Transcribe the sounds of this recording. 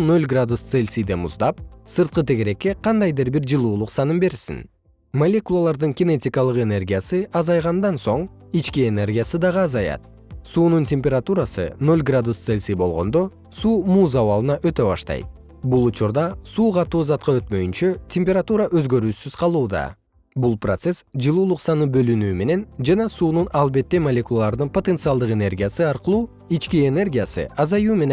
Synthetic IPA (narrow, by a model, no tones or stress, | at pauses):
nø̞lʲɡrad̪ust̪selʲsid̪e̞muzd̪ɑp̚sɯɾt̪̚qɯt̪ʰe̞ɡe̞ɾe̞kːe̞qʰɑnd̪ɑjd̪ɯɾbiɾd͡ʒɯlˠuːlˠuqsɑnɯmbe̞ɾsḭn | mɐlʲe̞kulˠalˠɑɾd̪ɯŋkʲɪne̞tʲikɑlˠɯqe̞ne̞rɡʲijasɯʔɑzɑjʁɑnd̪ɑnso̞ɴ | it͡ʃkiene̞rɡʲijasɯd̪ɑʁɯɑzɑjɑ̰t̪̚ | suːnuntʲe̞mʲpʲe̞ɾat̪uɾasɯ̰nø̞lʲɡrad̪ust̪selʲsibo̞lˠʁo̞̰nd̪o̞ | suːmuːzɑβɑlˠɯnɑʔø̞t̪ø̞βɑ̰ʃt̪ɑ̰jt̪ | bulˠut͡ʃuɾd̪ɑsuːqʰɑt̪uːzɑt̪̚qɑø̞t̪mø̞jynt͡ʃøtʲʰemʲpʲeɾat̪uɾaʔø̞zɡø̞ɾyːsyz̥qʰɑlˠuːd̪ɑ̰ | bulˠprot̪se̞sd͡ʒɯlˠuːlˠuqsɑnɯbø̞lynyːme̞ne̞nd͡ʒɑnɑsuːnunɑlˠbe̞t̪ːe̞mɐlʲekulˠalˠɑɾd̪ɯnpo̞t̪e̞nt̪sɨɑlˠd̪ɯqe̞ne̞rɡʲijasɯɑɾqɯlˠuː | it͡ʃkiene̞rɡʲijasɯ̰ʔɑzɑjuːme̞ne